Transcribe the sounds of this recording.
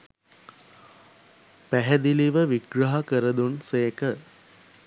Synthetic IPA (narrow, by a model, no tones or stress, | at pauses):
pæɦəd̪iliʋəʋiɡɾɐɦɐkəɾəd̪unseːkə